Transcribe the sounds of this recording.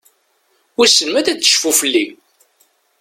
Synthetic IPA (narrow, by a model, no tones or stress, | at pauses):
ʊɾsəlmæðæə̥ʃfufəlːi